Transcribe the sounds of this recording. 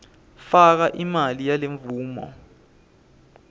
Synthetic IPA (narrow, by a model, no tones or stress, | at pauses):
fak̬aʔimalijaleɱvuːmɔ̰